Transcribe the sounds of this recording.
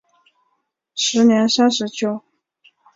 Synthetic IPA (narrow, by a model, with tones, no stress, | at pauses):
ʂɻ̩˧˥njɛ˧˥nsa˥nʂɻ̩˧˥t͡ɕʰjo˧˥ʊ